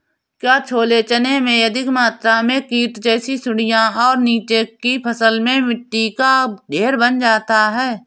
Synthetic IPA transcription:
kjaːt͡ʃʰoːlet͡ʃənemẽjəd̪ɪkmaːt̪ɾamẽkiːʈd͡ʒɛːsisʊɽɪjãɔːɾniːt͡ʃekipʰəsəlmẽmɪʈːikaɖʱeːɾbənd͡ʒaːt̪aɦɛː

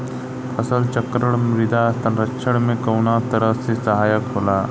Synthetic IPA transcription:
pʰəsəlt͡ʃəkɾəɽmɾid̪aəst̪anɾəkːʃʰəɽmẽkəwnat̪əɾət͡sesəɦaːjəkɦola

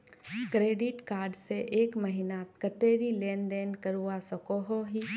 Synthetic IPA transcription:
kɾeːɖɪʈkaːɾɖseʔeːkməɦɪnat̪kət̪eːɾileːnd̪eːnkəɾuasɔkoːɦoɦi

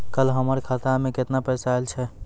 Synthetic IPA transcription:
kəlɦəməɾkʰat̪amẽket̪napɛsaelt͡ʃʰɛ

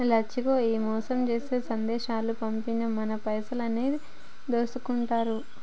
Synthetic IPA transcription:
lɐt͡ʃːikoːiːmɔːsɐmt͡ʃe̞ːseːsɐnd̪ɛːʃaːlupɐmpinɐmɐnɐpɐjsɐlɐneːd̪i | d̪oːsukuɳʈaːɾu

